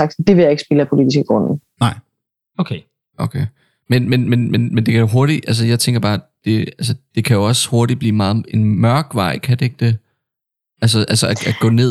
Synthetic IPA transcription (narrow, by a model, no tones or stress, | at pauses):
ɑɡ̥̚d̥e̝ʋe̝jäe̝ɡ̥sb̥eləæpʰo̝lid̥isɡ̥əɡ̥ʁɔn̰n̩nɑɪ̰ | okʰe | ʔokʰeɪ | menmenmenmenmend̥e̝kʰæjo̝ɦo̝ɐɾ̥i̥ʔæls̬əjɑ̈ɪt͡sʰeŋɡ̥ɐb̥ɑ̈ːd̥e̝æls̬əd̥e̝kʰæjo̝ɒ̽sho̝ɐɾib̥lḭːmɑ̈ːð̩ˠe̝nmɶɐɡ̥ʋɑ̈ɪ̰kʰæd̥e̝e̝ɡ̥d̥e̝ | ʔælsəʔælsəææɡ̥ɔ̰̽ːne̝ð̰ˠ